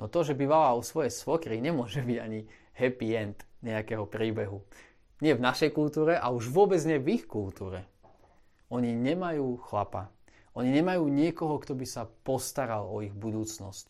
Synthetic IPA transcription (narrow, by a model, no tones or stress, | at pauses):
nɔt̪ɔʒɛbiʋalaɔsʋɔjɛsʋɔkɾiɲɛmʊɔʒɛbiɟaɲi | hɛpiɛnt̪ɲɛakɛɦɔpɾiːbɛɦu | ɲɪɛvnaʃɛjkult̪uːɾɛʔauʒʋʊɔbɛd͡zɲɪɛvixkult̪uːɾɛ | ɔɲiɲɛmajuːxlapa̰ | ʔɔɲiɲɛmajuːɲɪɛkɔɦɔkt̪ɔbisapɔst̪aɾalɔiɣbud̪uːt͡snɔsc